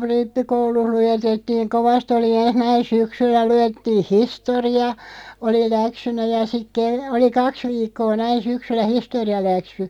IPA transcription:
ripːikouluh lujetetːiːŋ koʋɑst oli enh næin syksylːæ lujetːiːh̆ historiɑ oli læksynæ jɑ sik ke oli kɑks ʋiːkːoː næin̞ syksylːæ historiɑlæksy

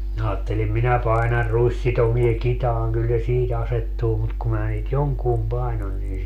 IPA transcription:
minæ ɑːtːelim minæ pɑinɑr ruisːitomie kitɑːŋ kyl se siːt ɑsetːuː mut ku mæː niːt joŋkuːm pɑinon niːn

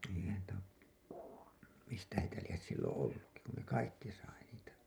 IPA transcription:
eihæn tæ mistæ heitæ lies silːõː olːukːi kun ne kɑikːi sɑi niːtæ

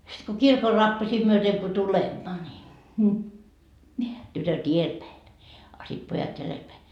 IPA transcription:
sit ko kirkor rɑpːɑsiː myøteŋ ko tulemːɑ nʲi tytøt ielpæi ɑ sit pojɑt jælelpæi

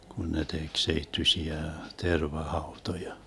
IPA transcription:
kun ne tek seitːysʲiæ terʋɑhɑutojɑ

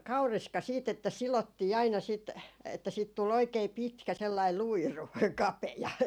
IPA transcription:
kɑuriskɑ siːt etːæ silotːiː ɑinɑ sit etːæ siːt tul oikei pitkæ selːɑi luiru kɑpejɑ

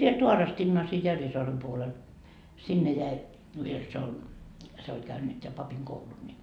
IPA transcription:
ʋiel tuɑrɑstinːɑː siː jærʋisoɑrem puolel sinːe jæi ʋiel siel ol se olʲ kæynyt jɑ pɑpiŋ koulun ni

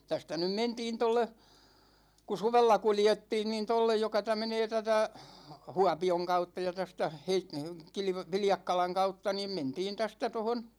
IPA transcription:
tæstæ nym mentiːn tolːe ku suʋelːɑ kuljetːiːn niːn tolːej jokɑ tæ meneː tætæ huɑpioŋ kɑutːɑ jɑ tæstæ heit kilʋ ʋiljɑkːɑlɑŋ kɑutːɑ niːm mentiːn tæstæ tohon

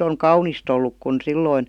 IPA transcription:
oŋ kɑunist olːuk kun silːoin

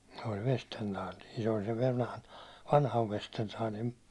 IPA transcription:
se olʲ ʋestentɑːli se ol seʋ ʋɑnhɑn ʋɑnhɑʋ ʋestentɑːlim

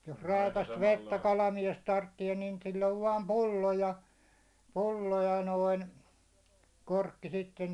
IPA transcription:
jos rɑˑikɑst ʋetːæ kɑlɑmies tɑrtːie niːn silː oʋ ʋɑːm pulːo jɑ pulːo jɑ noin korkːi sitːen

